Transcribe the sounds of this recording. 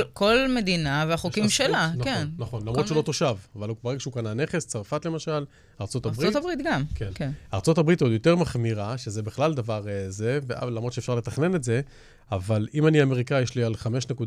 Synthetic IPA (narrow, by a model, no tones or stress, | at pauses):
ko̞lme̞d̪inaveaχokimʃelankennaχonlamʁot͡ʃulo̞t̪oʃavavalubaʁeɡaʃeukanane̞χest͡saʁfatle̞maʃal | aʁt͡so̞t̪abʁitabʁit̪ɡamkenkeaːʁt͡so̞tabʁit̪od̪jo̞t̪e̞ʁmaχmiʁaʃezebeχlald̪avaʁze̞vealamʁott͡ʃefʃaʁle̞t̪aχne̞netze̞ | avalimaniame̞ʁikajeʃlialχame̞ʃnekud̪